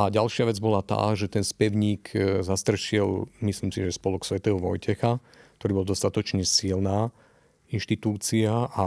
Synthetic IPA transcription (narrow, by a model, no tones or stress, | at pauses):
aɟalʃɪaʋɛd͡zbɔlat̪a̰ːʒɛt̪ɛnspɛʊɲiːkzast̪r̩ʃɪɛlmisliːmsiʒɛspɔluksʋɛt̪ɛɦɔʋɔjcɛxa | k̚t̪ɔɾiːbɔlˠd̪ɔst̪at̪ɔt͡ʃɲɛsilnaː | inʃt̪it̪uːt͡siaʔa